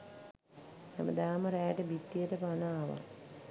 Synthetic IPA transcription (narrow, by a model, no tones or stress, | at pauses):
mamə̰d̪aːməɾɛːʈəbit̪ːijəʈəpanaːʋa̰